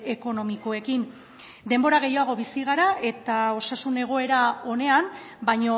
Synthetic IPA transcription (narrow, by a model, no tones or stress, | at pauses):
e̞ko̞no̞miko̞e̞kin | d̪e̞mbo̞ɾaɣ̞e̞jaɣ̞o̞βisiɣ̞aɾaʔe̞t̪ao̞sasune̞ɣ̞o̞e̞ɾao̞ne̞ambajɲo̞